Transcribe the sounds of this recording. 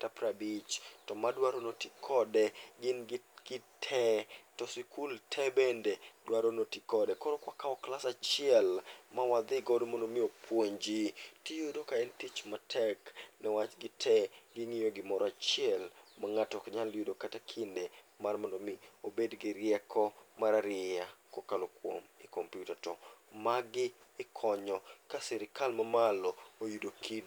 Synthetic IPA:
tapɾabit͡ʃtɔmadwaɾonotikʰɔdɛɡɪnɡɡ̥ɪtʰɛtɔsikʰultʰɛbendedwaɾonotikɔdɛkoɾokwakaɔklasat͡ʃɪɛlmawad̪ɪɡɔdmɔndomɪopwoɲd͡ʒitijudokaɛntit͡ʃmatʰɛknɛwat͡ʃɡɪtʰɛɡɪŋijoɡɪmɔɾɔat͡ʃɪɛlmaŋatɔkɲaljudokatakʰɪnde | marmɔndomɪobedɡɪɾɪjɛkʰɔmaɾaɾɪakokalokwo̰mɪkompjutatɔmaɡɪː | kʰɔɲɔkasɛɾɪkalmamalɔojudokʰid

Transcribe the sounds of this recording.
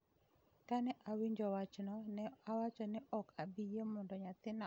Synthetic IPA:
kanɛʔawiɲd͡ʒɔwat͡ʃnɔnɛawat͡ʃɔnɪʔɔkabijemɔndɔɲat̪ɪna

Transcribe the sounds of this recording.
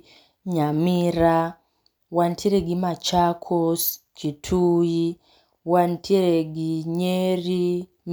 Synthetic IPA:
ɲamiɾa | wantiɾeɡimat͡ʃakʰos | t͡ʃitʰuji | wantʰiɾeɡiɲeɾi | m

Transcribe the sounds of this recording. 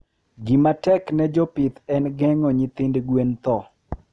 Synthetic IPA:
ɡimatɛknɛd͡ʒɔpɪt̪ɛnɡɛŋɔɲit̪ɪndɡwent̪ɔ

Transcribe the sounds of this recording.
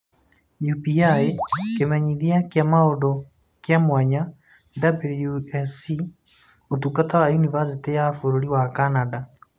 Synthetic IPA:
jupiaekemaɲiðiakjamaodo | kjamwaɲa | dabuljuɛsi | otukatawajunivas̬itejaːfoɾoɾiwakanada

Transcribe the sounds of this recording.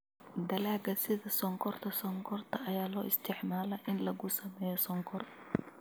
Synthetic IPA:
d̪ɐlaːɡɐsɪðɐsɔŋkʰɔrt̪ʰɐsɔŋkʰɔrt̪ʰɐʔɐjaːlɔːɪst̪ʰɪʕmaːlɐʔɪnlɐɣʊsɐmɛːjɔsɔŋkʰɔr

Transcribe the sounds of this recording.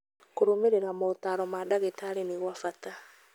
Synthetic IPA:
koɾomeɾeɾamot̪aɾɔmadaɣetaɾeniɣwafata

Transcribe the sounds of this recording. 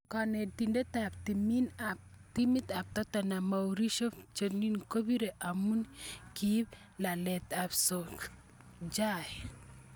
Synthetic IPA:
kanet̪indet̪apt̪iminap̚t̪imit̪ap̚t̪at̪anamawɾiʃopt͡ʃoninkobiɾeʔamunkib | lalet̪apsok | d͡ʒaj

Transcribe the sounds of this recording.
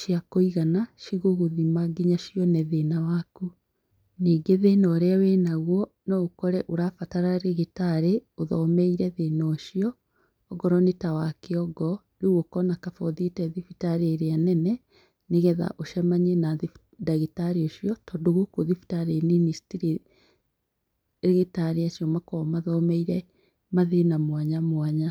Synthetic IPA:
ʃjakoiɣanaʃiɣoɣoðimaɡiɲaʃjɔnɛðenawaku | niːɡeðenɔːɾeawenaɣwɔ | nɔokɔɾɛʔoɾafataɾaɾeɣetaɾeoðɔmɛiɾɛðenɔʃiɔː | ɡɔɾɔnetawakeɔɡɔ | ɾeɣwɔkɔnakafɔðietɛðifitaɾeːɾeanɛnɛ | neɣɛða̰ʔoʃɛmaɲenaði | daɣitaɾeoʃiɔtɔdoɣokoðifi̥taɾeministiɾi | ɾeɣitaɾeaʃiɔmakɔmaðɔmɛiɾɛ | maðenamwaɲamwaɲa

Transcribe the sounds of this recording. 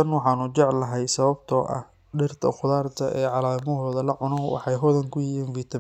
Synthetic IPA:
ɐnwɑħɑːnʊt͡ʃɛʕlɐɦɛjsɐβɐbt̪ʰɔːʔɐ̰h | ɖɪrt̪ʰɐ̰qʊðaːrt̪ʰɐʔɛːʕɑlaːmɔɦɔːðɐlɐʕʊnɔwɑ̰ħɑjɦɔðɐŋkʰʊjjiːnfit̪ʰɐ

